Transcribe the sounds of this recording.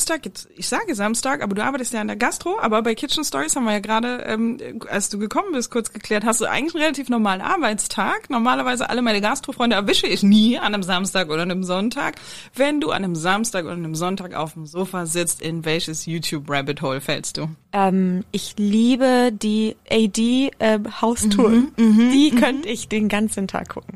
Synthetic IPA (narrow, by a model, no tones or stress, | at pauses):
mstaːkjɛt͡sɪçz̥aːɡəzamstaːkʔa̰ːbɐduːʔaɐbaɪtəstjaːɪndeːɐɡastʁ̥oʔa̰ːbɐbaɪkʰɪtt͡ʃn̩stɔʁishaːbm̩viɐjaːɡəʁaːdəʔɛ̰ːmʔa̰lsd̥uːɡəkʰɔmənbɪst̚kʰʊɐt͡sɡ̥əkʰl̥ɛːɐthastd̥uːʔa̰ɪɡŋ̩lɪçn̩ʁelatʰiːfnɔʁmaːlənʔa̰ɐbaɪt͡stʰaːknɔɐmaːlɐvaɪzəʔa̰ləmaɪnəɡastʁ̥ofʁ̥ɔʏndəɛɐvɪʃəɪçniːandemzamstaːkʔoːɾɐandemzɔntʰa̰ːk | v̥ɛnduːʔa̰ndemzamstaːkʔo̰ːdɐanemzɔntaːka̰ʊfm̩zoːfazɪt͡stɪnvɛlçəsjuːtʰjuːpʁɛbɪthɔlfɛ̰lst̚d̥uːʔɛːmʔɪçliːbədiːʔɛdiːʔɛːmhaʊstʰuːɐd̥iːkʰœnəɪçd̥eːnɡant͡sən̩tʰa̰ːk̚ɡʊ̰kŋ̩